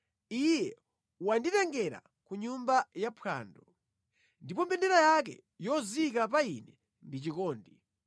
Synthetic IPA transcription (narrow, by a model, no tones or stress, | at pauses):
ijɛ | uwanditɛŋɡɛɾa̰ | kuɲumbajapʰa̰ːndɔ | ndipɔmbɛndɛɾajakɛ̰ | jɔzikapainɛ | ndit͡ʃikɔːndi